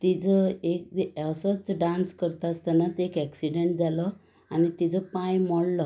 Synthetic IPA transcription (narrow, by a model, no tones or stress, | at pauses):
t̪id͡zɔek̪̚əsɔt͡sɖãnskəɾt̪ast̪anat̪ekɛksiɖeɳʈ̚d͡zalɔ | anit̪id͡zɔpãjmɔɽlɔ